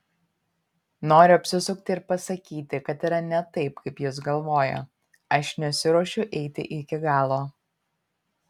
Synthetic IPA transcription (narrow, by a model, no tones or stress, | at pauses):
noːɾʲʊɐpʲsʲɪsʊk̚t̪ʲɪɪɾpɐsɐkʲiːt̪ʲɪkɐt̪iːɾɐnʲɛt̪ɐɪpkɐɪpjɪsɡɐlˠʋoːjɛ̰ | ɐʃnʲɛsʲɪɾɔʃʲʊʔɛɪt̪ʲɪ̰ʔɪkʲɪɡɑːlˠoː